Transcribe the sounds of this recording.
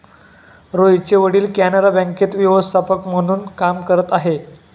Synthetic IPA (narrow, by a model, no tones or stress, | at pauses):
ɾojt͡ɕeʋəɽiːlkænaɾabɛ̃ŋket̪ʋiʋəst̪ʰapəkm̤əɽ̃uːnkamkəɾət̪aɦe